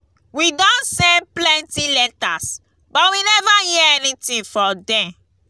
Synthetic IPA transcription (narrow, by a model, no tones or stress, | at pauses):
widɔ̃nsɛ̃nplɛ̃ntilɛta̰s | bɔtwinɛvajɛɛnitĩnfɔdɛ̃m